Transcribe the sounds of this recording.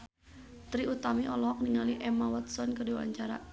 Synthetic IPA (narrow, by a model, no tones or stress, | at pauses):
t̪ɾiʔut̪amiʔɔlɔɦɔk̚niŋaliʔɛmawat̪sɔnkədiwa̰ɲt͡ʃaɾa̰